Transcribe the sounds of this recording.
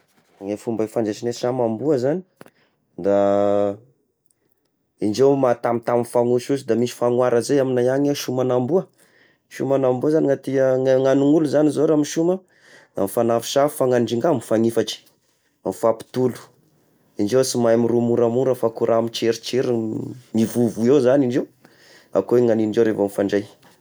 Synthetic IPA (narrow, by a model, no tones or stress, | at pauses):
ŋefumbafand͡ʒet͡ʃinesamambuəzani̥ | d̪a | iɳɖ͡ʐewmat̪amit̪amifaŋuʃusid̪amisi̥faŋwaɾəzejaminajaɲaʃumanambuə | ʃumanambuazaniŋat̪iəŋaŋanuŋuluzanizoɾamiʃumə | a̰mifanafi̥ʃafu̥faŋaɳɖ͡ʐiŋɡamifaŋifaʈ͡ʂi̥ | amifapi̥t̪ulu̥ | iɳɖ͡ʐewsimajmiɾumuɾamuɾəfakuɾʔamit͡ʃeɾit͡ʃeɾimivuvuewzaniɳɖ͡ʐew | a̰koeŋaniɳɖ͡ʐeɾevamifaɳɖ͡ʐej